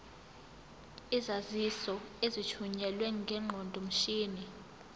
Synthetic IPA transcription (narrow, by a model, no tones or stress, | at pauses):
izazisɔezit͡ʃʰuɲɛlwɛŋɡʱɛŋ͡ǃʱɔndʱom̩ʃiːni